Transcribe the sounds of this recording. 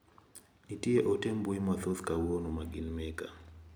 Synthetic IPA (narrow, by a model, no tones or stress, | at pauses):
itʼiɛʔɔtʰɛmbuimaθɔθkʼawɔnumaɡinmɛkʼa